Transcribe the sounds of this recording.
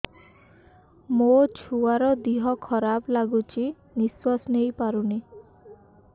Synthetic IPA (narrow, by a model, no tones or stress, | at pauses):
mot͡ʃʰuaɾɔd̪iɦɔkʰɔɾablaɡut͡ʃʰi | niswɔsnejpaɾuni